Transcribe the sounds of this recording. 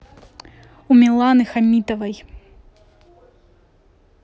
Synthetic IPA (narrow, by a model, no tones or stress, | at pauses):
umʲilˠanɨxamʲit̪ɐvɐj